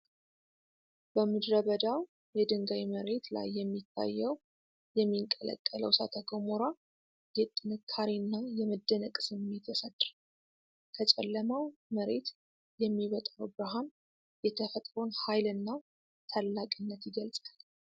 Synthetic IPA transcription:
b̥əmɨd̪ɾəβəd̪aw | jɛd̪ɨŋɡajməɾe̞t̪la̰jːɛmːit̪ʰːa̰jːəw | jɛmːiŋkʼələ̰kʼːələwsat̪ʰəɡomoɾa | jɛt̪ʼɨnɨkʰːaɾinːajɛməd̪ːənəkʼsɨmːet̪jɛsət̪ʼɾ | kʰət͡ʃʼɛ̰lːəmawməɾet̪ | jɛmːiβət̪ʼɾəwbɨɾaɦam | jɛt̪ʰəfət̪ʼɾonhajlɨnːa | t̪ʰalːakʼinːət̪jɪɡəlsʼal

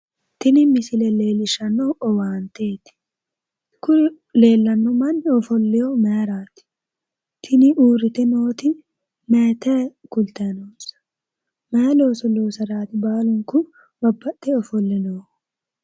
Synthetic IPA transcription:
t̪ɪnɪmɪsɪlɛle̞ːlɪʃɐnːɔɔwaːnt̪eːt̪ɪ̥ | kʊ | le̞ːlːɐnːɔmɐnːɪɔfɔlːɪjɔmɐɾaːt̪ɪ̥ | t̪ʰɪnɪʔuːɾɪt̪ɛnoːt̪ɪ | mɛːt̪ɛkʊlt̪ɛnoːsɐ̥ | mɛːloːsɔloːsɐɾaːt̪ɪbaːlʊŋkʊ | bɐbːɐt̪ːɛɔfɔlːɛnoː

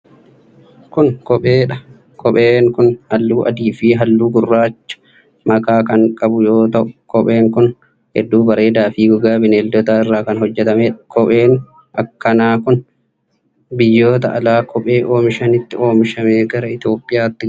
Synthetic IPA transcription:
kʊnkɔpʼeːᶑɐ | kɔpʼeːŋkʊnhɐlːuːʔɐ̰d̪iːfiːɦɐlːuːɡʊrːaːt͡ʃːɐ̥ | mɐkaːkɐŋkʼɐbʊjo̞ːt̪ɐʔʊ̥kɔpʼe̞ːŋkʊn | hɛ̰d̪ːuːbɐɾe̞ːd̪aːfiːɡʊɡaːbɪneːld̪ɔt̪aːɪrːaːkɐnɦɔd͡ʒːɛt̪ɐmeːᶑɐ̥kɔpʼe̞ːŋ | ʔɐkːɐnaːkʊn | bɪjːoːt̪ɐʔɐlaːkʰɔpʼe̞ːʔo̞ːmɪʃɐnɪt̪ːɪʔo̞ːmɪʃɐmeːɡɐɾɐɪt̪o̞ːpʼːɪjaːt̪ːɪ

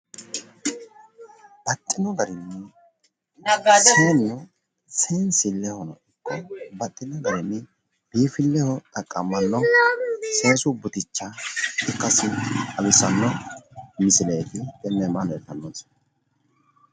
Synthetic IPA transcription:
bɐt̪ʼːɪnɔɡɐɾɪnːɛ | seːnːɔ | seːnsɪlːɛhɔnɔ̰ɪkʰːɔbɐt̪ʼːɪnɔɡɐɾɪnːɛ | b̥iːfɪlːɛhɔt̪ʼɐkʼːɐmɐnːɔ | seːsʊbʊt̪ɪt͡ʃːaɪkːɐsɪɐbɪsɐnːɔmɪsɪleːt̪ɪhɛnːɛmanɔɛt̪ːɐnːoːnsɔ̥nɐ

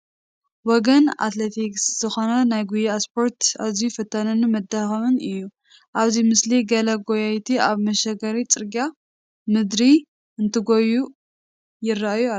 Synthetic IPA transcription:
wɔɡɐna̰t̪let̪ʰiksz̥ɨxo̞nɐnajɡujiaspʰo̞ɾt̪aβzijufɨt̪ʰːɐnɨnumɐd̪ːaxɐβɨnɨjːu | ʔaβzimɨsliɡɐlɐɡojajt̪ʰiaβmɐʃɐɡɐɾit͡sʼɨɾɡa | mɨd̪ɾi | ɨnt̪ʰɨɡoju | jɪrːaajua

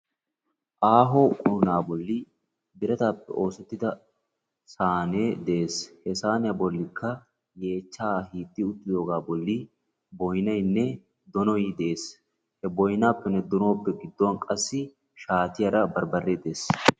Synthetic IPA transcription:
ʔaːɦoːkʼʊɾʊnaːbɔlːɪ | d̪ɪɾɛt̪aːpːɛ̰ʔo̞ːsɛt̪ːɪd̪ɐ | saːneːd̪ɛeːshɛsaːnɪjɐbɔlːɪkʰːɐ | je̞ːt͡ʃːaːhiːt̪ːɪʊt̪ːɪd̪o̞ːɡaːbɔlːɪ | bɔjnɐjnːɛ | d̪ɔnɔjid̪ɛeːs | hɛbɔjnaːpːɛnːɛd̪ɔno̞ːpːɛɡɪd̪ːonkʼɐsːɪ | ʃaːt̪ɪjɐɾɐbɐɾbɐrːeːd̪e̞ːs

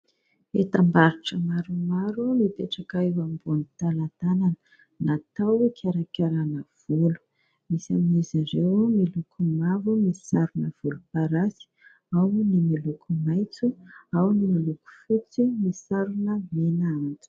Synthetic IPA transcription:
et̪ambaɾiʈ͡ʂəmaɾumaɾumipeʈ͡ʂakaewambunit̪alat̪ananə | nat̪awkʰʲaɾakʲaɾanəv̥ulu̥ | misa̰miziɾewmilukʰumavumisaɾunəv̥ulupaɾasi̥ | awnimilukʰumajt͡suawnimaluku̥fut͡simisaɾunəmenaant̪u̥

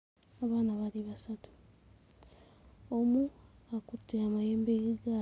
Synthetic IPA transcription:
aβaːnaβaliβasatu̥ | omuakutʰːeamajeːmbeɡiɡa

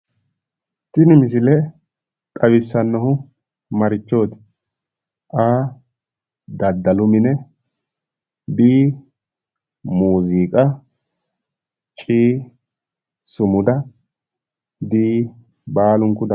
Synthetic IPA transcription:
t̪ɪnɪmɪs̬ɪlɛ | t̪ʼɐwɪsːɐnːɔɦʊ | mɐɾɪt͡ʃːo̞ːt̪ɪ̥ | ʔaː | d̪ɐd̪ːɐlʊmɪnɛ | biː | muːziːkʼɐ | t͡ʃʼiː | sʊmʊd̪ɐ | b̪iː | baːlʊŋkʊd̪ɐ

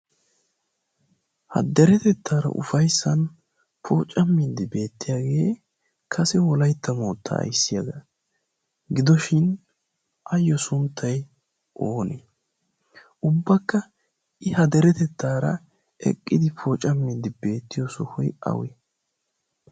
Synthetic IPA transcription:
hɐ̰d̪ɛɾɛt̪ɛt̪ʰːaːɾɐ̰ʔʊ̰fɐjsːɐn | pʰo̞ːt͡ʃʼːɐmːid̪ɪbe̞ːt̪ːɪjaːɡe̞ː | kʰɐsɛwɔlɐjt̪ːɐmoːt̪ʰːɐ̰ːjsːɪjɐɡɐ | ɡɪd̪ɔʃɪn | ʔɐjːɔsʊnt̪ʰːɐj | ʔoːne | ʔʊbːɐkːɐ | ʔɪhɐd̪ɛɾɛt̪ɛt̪ʰːaːɾɐ̰ | ɛ̰kʼːɪd̪ɪfʰoːt͡ʃʼːɐmːid̪ːɪbe̞ːt̪ːɪjɔsɔhʊjɐ̰wɛ̰

